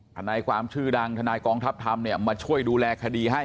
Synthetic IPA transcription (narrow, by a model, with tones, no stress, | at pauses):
t̪ʰa˧naː˧jkʰwaː˧mt͡ɕʰɯː˥˩da˧ŋt̪ʰa˧naː˧jkɔː˧ŋt̪ʰa˦˥p̚t̪ʰa˧mni˥˩əmaː˧t͡ɕʰu˥˩əjduː˧lɛː˧kʰa˧diː˧ɦa˥˩j